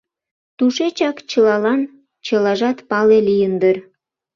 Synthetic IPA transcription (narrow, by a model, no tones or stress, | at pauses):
t̪uʃet͡ɕɑkt͡ɕəlɑlɑn | t͡ɕəlɑʒɑt̪pɑlelijənd̪ər